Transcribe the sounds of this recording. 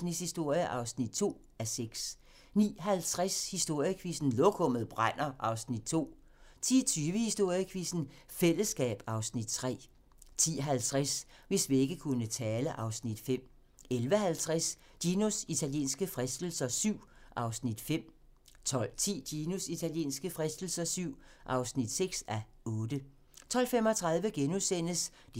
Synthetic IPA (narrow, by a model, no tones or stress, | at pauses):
snid̥shisd̥o̝ɐ̰jəʔɑ̈ʊsnid̥̚t͡sʰo̝̰ː | æseɡ̥s | nḭːɦælt͡sʰʁashisd̥o̝ɐ̰jəkʰʋisn̩lɔkʰɔ̽m̰ð̩ˠb̥ʁan̰ɐʔɑ̈ʊsnid̥̚t͡sʰo̝̰ː | t͡sʰiːt͡sʰyːʋəhisd̥o̝ɐ̰jəkʰʋisn̩ | fel̰əsɡ̥ɛ̰ːb̥ɑ̈ʊsnid̥̚t͡sʰʁɛ̰ː | t͡sʰḭːɦælt͡sʰʁas | ʋe̝sʋie̝ɡ̥əkʰunət͡sʰɛːləʔɑ̈ʊsnid̥fem̰ | elʋəhælt͡sʰʁas | d̥inusit͡sʰæljḛːnsɡ̥əfʁasd̥l̩sɐsyʊ̰ʔɑ̈ʊsnid̥fem̰ | t͡sʰɒ̽l̰t͡sʰḭːd̥iːnusit͡sʰæljḛːnsɡ̥əfʁɛsd̥l̩sɐsyʊ̰ʔɑ̈ʊsnid̥seɡ̥sæɔ̽ːd̥ə | t͡sʰɒ̽l̰fem̰ɒ̽t͡sʰʁɑ̈ðˠʋəɡ̥enusen̰əsd̥